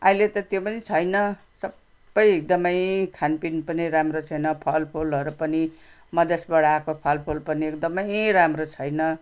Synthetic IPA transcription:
ailet̪ʌt̪jopʌnit͡sʰʌjnʌ | sʌbː | ʌjek̚d̪ʌmʌjkʰanpinpʌniɾamrot͡sʰʌjnʌpʰʌlpʰolɦʌɾupʌni | mʌd̪ʌsbʌɽaakopʰʌlpʰolpʌniek̚d̪ʌmʌjɾamrot͡sʰʌjnʌ

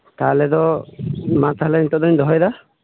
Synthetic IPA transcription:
kalɛd̪ɔ | mat̪aɦlaint̪ɔd̪ɔɲd̪ɔɦɔjd̪a

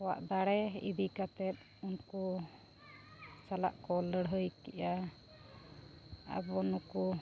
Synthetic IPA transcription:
ɔwa̰ʔd̪aɽɛḭbikat̪ɛt̪̚ | unkɔ | sala̰ʔkɔləɽɦəjkɛʔa | a̰bɔnɔkɔ

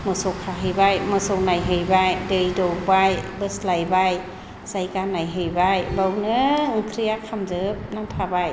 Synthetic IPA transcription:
mɯsokʰaɦɯjbajmɯsoŋnajɦɯjbajdəjdokbajbəslajbaj | sajkanajɦɯjbajlɔwnɯŋkʰɾiakʰːamzəp̚namt̪ʰabaj

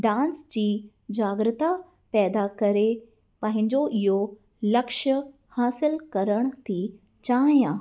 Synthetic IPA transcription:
ɖãːnsd͡ʑiː | d͡ʑaːɡɾɪt̪a | pɛːd̪akɐɾe | pɐ̃ɦɪ̃ɲd͡ʑoʔɪɦo | lɐkʃə | haːsɪlkɐɾəɽ̃t̪ʰi | t͡ɕaːɦijãː

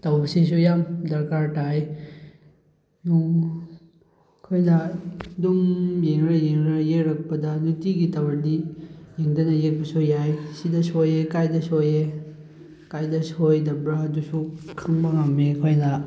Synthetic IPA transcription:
tawbɐsis̬ujamdɐɾkaɾtaj | nu | kʰojnɐdumjeŋɾɐjeŋɾɐjeɾɐk̚pɐdɐnutiɡitɐwɐɾdijeŋdɐnɐjek̚pɐsujajsidɐsojekajdɐsoje | kajdɐsojdɐbɾaɐdusukʰaŋbɐŋamekʰojnɐ

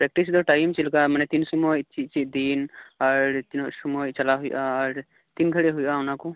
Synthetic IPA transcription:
pɾɛk̚ʈisd̪ɔʈajmt͡ʃilkamanɛt̪insɔmɔjt͡ʃit͡ʃid̪inaɾt̪insɔmɔjt͡ʃalaɦujʔaːɾ | t̪inɡʱəɽɛɦujʔaunakɔ

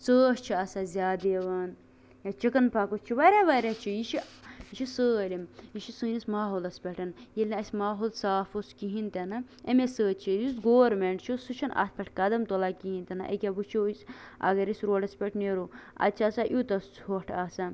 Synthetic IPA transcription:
t͡səːʃt͡ʃʰiaːsazʲaːd̪eʋɐn | jat͡ʃikɐnpʰakost͡ʃʰiʋɐɾʲaʋɐɾʲat͡ʃʰijiʃʰijiʃʰisəːlʲimjiʃisuːnismaːɦoːlɐspʲeʈɐnjelʲniɐsʲmaːɦolsaːfoskiɦint̪enɐ | emesəːt͡ʃʰijusɡoːɾmeɳʈt͡ʃʰusut͡ʃʰɐnʔa̰t̪̚ʰpʲeʈʰkɐd̪ɐmt̪olakiɦint̪ʲɐna̰ʔɐ̰kʲabut͡ʃʰisɐ̰ɡɐɾisɾoːɖɐspʲeʈʰneɾuɐ̰t͡ʃʰasaʔut̪ɐst͡soːʈʰaːsa

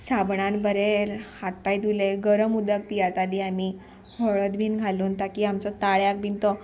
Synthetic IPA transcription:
sabɳãnbəɾelhat̪̚pajd̪uleɡəɾəmud̪ək̚pijat̪aliami | hɔɭəd̪bʱiːnɡʱaluːnt̪akiamt͡sɔt̪aɭjak̚bʱint̪ɔ

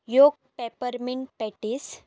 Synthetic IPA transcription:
joɡ̚ | pepəɾmiɳɖ̚pɛʈis

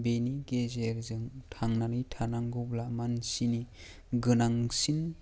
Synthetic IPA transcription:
beniɡezeɾzɯŋtʰaŋnaɾijtʰanaŋɡublamansini | ɡɯnaŋsin

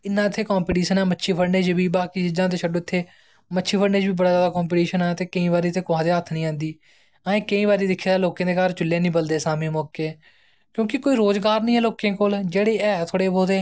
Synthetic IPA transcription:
ɪnːãːɪt̪ʰːeːkɔːmpiːʈiːʃənɛːmətːʃʰiːpʰəɽneːd͡ʒbiːbaːkiːd͡ʒɪd͡ʒãːt̪̬eːʃʰəɖoːɪt̪ʰːeː | mətːʃʰiːpʰəɽneːd͡ʒbiːbəɽaːzjaːd̪aːkoːmp̬iːʈiːʃənɛːt̪eːkəĩːbaːɾiːt̪ʰeːkʊãːd̪eːɦət̪ʰːnəĩːãːnd̪iː | əẽːkəĩːbaːɾiːd̪ɪkʰːeːd̪aːloːkẽːd̪eːkaːɾt͡ʃʊlːjẽːnĩːbəld̪eːsaːmĩːmoːkːeː | kjõːkɪkoːiːɾoːzɡaːɾnĩːɛːloːkẽːkoːld͡ʒeːɽeːɛːt̪ʰoːɽeːboːd̪eː

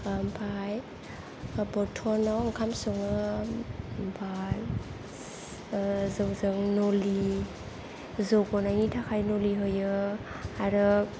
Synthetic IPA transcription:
mpʰaj | bɔtʰɔnawaŋkʰamsɔŋɯ | bal | zɯwzɯŋnoli | zoɡɔnajŋitʰakʰajnoliɦojɯ | aɾɯ

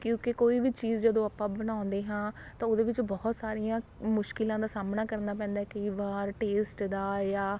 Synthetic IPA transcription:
kjõːkekoːiːʋiːt͡ʃiːzd͡ʒəd̪õːapːãːbənãːʊ̃nd̪eːɦãːt̪ãːoːd̪eːʋɪt͡ʃbɔːt̪saːɾijãː | mʊʃkɪlãːd̪aːsaːmnaːkəɾnaːp̬ɛ̃ːnd̪aːɛkəiːʋaːɾʈeːsʈd̪aːjaː

